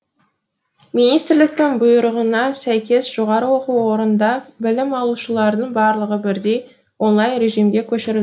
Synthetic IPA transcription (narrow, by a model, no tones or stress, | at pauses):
mijnijst̪ɪɾlɪk̚t̪ɪŋbʊjəɾəʁənɑsæjkʲe̞sʒ̥o̞ʁɑɾəwo̞quwwo̞ɾənd̪ɑbɪlɪmɑlˠuʃəlˠɑɾd̪əɴbɑɾlˠəʁəbɪɾd̪ej | wonlˠɑjnɾe̞ʒijmɡʲe̞kʲʰɵʃɪɾɪld